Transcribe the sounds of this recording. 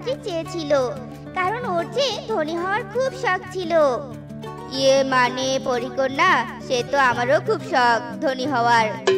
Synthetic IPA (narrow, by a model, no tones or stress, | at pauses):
kit͡ɕet͡ɕʰilo | kaɾonoɾt͡ɕed̪ʱoniɦɔoaɾkʰubʃɔk̚t͡ɕʰilo | kiemanepoɾikoɾnaʃet̪oamaɾokʰubʃɔk̚d̪ʱoniɦɔoaɾ